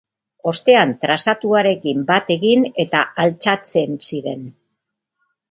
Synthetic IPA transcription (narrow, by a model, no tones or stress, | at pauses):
o̞st̪e̞ant̪ɾasat̪uaɾe̞kimbat̪e̞ɣine̞t̪aalt͡ʃat͡se̞nsiɾe̞n